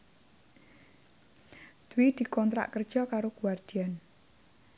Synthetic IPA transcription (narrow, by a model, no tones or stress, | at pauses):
d̪̥uwid̪̥i̤kɔnt̪ɾa̰ʔkər̥ʒ̥ɔkaɾokuward̪̥i̤an